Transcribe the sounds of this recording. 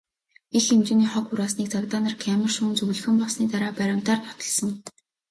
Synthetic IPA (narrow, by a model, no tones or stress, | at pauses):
eɮemt͡ɕɪ̆niːχɔkʊɾaːsniːk̚t͡sakt̪aːnə̆rkʰæmə̆rʃuːnt͡sɵɣɮɘ̆xɘ̆mpɔsniːt̪aɾaːpæɾʲʊ̆m̥t̪aːrt̪ʰɔ̥t̪ɞ̆ɮsɞ̆ŋ